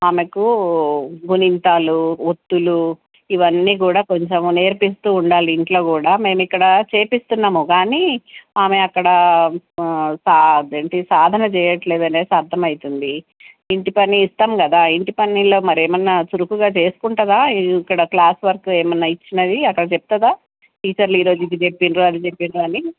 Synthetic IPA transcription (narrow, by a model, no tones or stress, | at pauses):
aːmeku | ɡunint̪aːluot̪ːulu | iʋɐnːiːk̬uːɽaːko̞ɲt͡ʃemneːɾpist̪uːuɳɖaːliːɳʈlo̞ːkuːɽaːme̞ːmikːɐɽɐt͡ʃe̞ːpist̪unːaːmukaːniːaːme̞ɐkːɐɽɐ | saːd̪eːɳʈisaːd̪ʱɐnɐt͡ʃɛːjɐʈle̞ːd̪ɐneːsɐɾd̪ʱːɐmɐjit̪und̪i | iɳʈipɐnːiːst̪aːmkɐd̪aːiɳʈipɐnːilo̞ːmɐɾeːmɐnːɐsuɾukuɡaːt͡ʃe̞ːsu̥kuɳʈɐd̪aːiikːɐɽɐklaːsʋɐɾkueːmɐnːɐit͡ʃːinɐd̪iɐkːɐɽɐt͡ʃep̚t̪ɐd̪aː | ʈiːt͡ʃɐɾluiːɾo̞ːd͡ʒuid̪id͡ʒe̞pːinɾuɐd̪it͡ʃepːinɾuɐni